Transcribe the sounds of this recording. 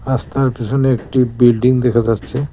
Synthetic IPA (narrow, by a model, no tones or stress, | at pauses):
ast̪aɾpit͡ɕʰoneek̚ʈibilɖiŋd̪ekʰad͡ʑatːɕʰe